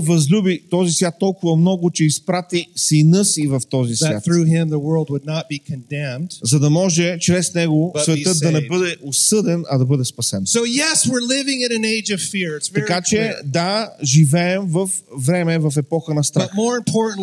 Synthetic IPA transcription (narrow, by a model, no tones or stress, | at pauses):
vɐzlʲubit̪ɔzisvʲjat̪ːɔlˠkʊvɐmnɔɡʊt͡ʃɛispɾat̪isinɤsivɐft̪ɔzisvjat̪ɹʉɦɪ̃mðəwɜ˞lˠd̚wədⁿnət̚b̥ikʰɨ̃ndɛ̃md̥zɐd̪ɐmɔʒɛt͡ʃɾɛsnɛɡosvɛt̪ɤt̪̚ɐnɛbɤd̪ɛʔosɤd̪ɛnɐd̪ɐbɤd̪ɛspɐsɛnsoʊjɛswɪɹlɪvɪ̃ŋɨ̃nɨ̃neɪd͡ʒʌv̥fɪɹɪtsvɐkat͡ʃɛd̪aʒivɛɛmvəf | vɾɛmɛvɐfɛpɔxənɐst̪ɾaɐt̚mɔɹɪ̃mpʰɔɹʔn̩